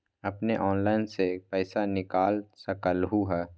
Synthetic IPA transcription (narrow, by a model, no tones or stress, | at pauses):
ɐpneʔɔːnlaːɪnsepɛɪsanɪkaːlsəkəlɦuɦɛː